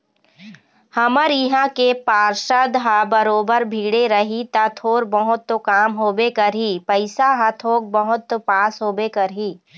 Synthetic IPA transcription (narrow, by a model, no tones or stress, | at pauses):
hɐməɾɪɦãkepaːɾʃəd̪ɦabəɾoːbəɾbʱiːɽeɾəɦit̪at̪ʰoːɾbəɦʊt̪ːokaːmɦoːbekəɾɦiːpəɪsaɦat̪ʰoːk̚bəɦʊt̪ːopaːsɦoːbekɐɾɦiː